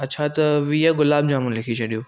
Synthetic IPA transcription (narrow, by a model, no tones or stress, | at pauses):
ɐtːʃʰat̪ɐʋiːjaɡʊlaːb̚d͡ʒaːmũnlɪkʰit͡ɕʰɐɗijõː